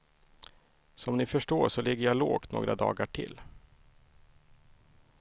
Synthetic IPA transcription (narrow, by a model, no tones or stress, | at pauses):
sɔmnɪfœʂʈoːʂɔlɪɡːəjaloːkt̪no̰ːɡɾʔa̰d̪ɑ̰ːɡaʈʰɪ̰lː